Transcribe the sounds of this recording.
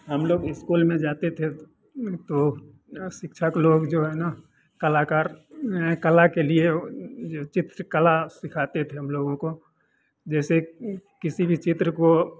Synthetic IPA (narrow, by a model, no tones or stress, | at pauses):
ɦəmloːɡɪskuːlmẽd͡ʒaːt̪et̪ʰe | t̪o | ʃɪkʃʰəkloːɡd͡ʒoːɦɛːna | kəlakaːɾɦɛkəlakelied͡ʒot͡ʃɪt̪ɾəkəlasɪkʰaːt̪et̪ʰeɦəmloːɡõko | d͡ʒɛːsekɪsibʱit͡ʃɪt̪ɾəko